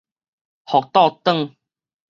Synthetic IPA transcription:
hɔ˨k̚t̪ɔ˥˧t̪ə˥˧ŋ

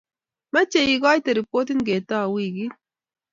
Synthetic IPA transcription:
ma˦t͡ʃe˨ji˨ɡɔ˦i˦te˨ɾi˨po˦ti˦nɡe˨ta˦˨wi˦˨ɡi˦

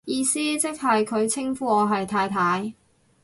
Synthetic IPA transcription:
jiː˨˧siː˥t͡sɪ˥k̚hɐ˨jkʰɵ˨˧ɥt͡sʰɪ˥ŋfuː˧ɔː˨˧ɦɐ˨jt̪ʰaː˧jt̪ʰaː˨˧j

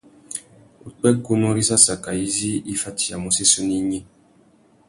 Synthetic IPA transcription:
u˨k͡pɛ˦ku˦no˦ɾi˦sa˦sa˨ka˨i˦zi˦i˦fa˦tʰi˨a˨mu˨se˦su˦ni˦ɲe˦

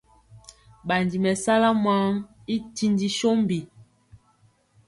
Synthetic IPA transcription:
ɓa˨n˨di˨mɛ˨sa˦la˦ma˦ŋ | i˦ti˦ndi˦ʃo˦m˨bi˨

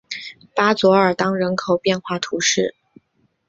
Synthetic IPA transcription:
pa˥t͡swɔ˧˥ə˞˨˩t̪ɑ˥ŋɻə˧˥nkʰo˨˩ʊpjɛ˥˧nxwa˥˩t̪ʰu˧˥ʂɻ̩˥˩

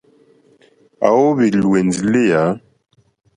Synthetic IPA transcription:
a̰˨wo˦bi˨lwe˨nzi˨le˦ja˨˦

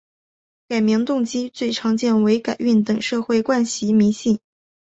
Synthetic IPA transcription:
ka˨˩ɪmi˧˥ŋt̪ʊ˥˧ŋt͡ɕi˥t͡swe˥˩ɪʈ͡ʂʰɑ˧˥ŋt͡ɕjɛ˥˩nwe˧˥ɪka˨˩ɪy˥˩nt̪ɤ˨˩ŋʂɤ˥˧xwe˥˧ɪkwa˥˧nɕi˧˥mi˧˥ɕi˥˩ŋ

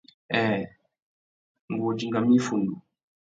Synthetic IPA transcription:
ɛ˨ | ŋ˨ɡo˨d͡ʒi˦ŋɡa˨mĩ˦fu˨n˨du˨

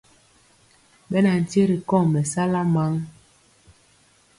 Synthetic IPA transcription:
ɓɛ˦na˨n̩˨ti˦ɾi˨kɔ˦˨mɛ˨sa˦la˦ma˦ŋ

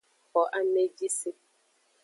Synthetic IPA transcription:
hɔ˨ʔa˦me˦d͡ʒi˦si˦

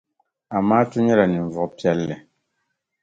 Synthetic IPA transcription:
a˨maː˦tʊ˦ɲɛ˦la˨ni˨ɱ˨vʊ˨ʔpi˦ɛ˦lːɨ˨

